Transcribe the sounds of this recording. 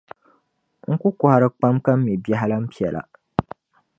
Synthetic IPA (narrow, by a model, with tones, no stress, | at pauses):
ŋ̩˦ku˦kɔ˨ha˨ɾɨ˦k͡pa˦mka˦m̩ː˦i˨bi˦a˦ɦa˦la˦m̩˦pi˦ɛ˨lʔa̰˨